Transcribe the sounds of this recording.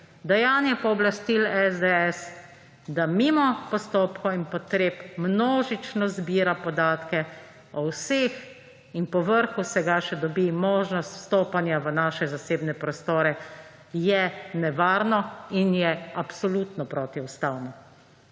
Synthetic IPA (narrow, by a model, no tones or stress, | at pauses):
d̪ɛjaːnjɛpɔːblast̪ilɛzd̪eɛs | d̪amiːmɔpɔst̪oːpkɔinpɔt̪ɾeːpmnoːʒit͡ʃnɔzbiːɾapɔd̪aːt̪kɛ | ɔwseːx | inpɔʋəɾxusɛɡaʃɛd̪ɔbimoːʒnɔst̪st̪oːpanjaʋənaːʃɛzaseːbnɛpɾɔst̪oːɾɛ | jɛnɛʋaːɾnɔinjɛapsɔlut̪nɔpɾoːt̪iust̪awnɔ